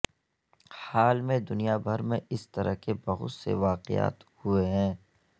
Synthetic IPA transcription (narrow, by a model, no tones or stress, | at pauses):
haːlmẽd̪ʊnijabʱɐɾmẽʔɪst̪ɐɾəɦkebɐɦʊ̰t̪sḛʋaːqɪ̰ja̰ːt̪hueɦɛ̃ː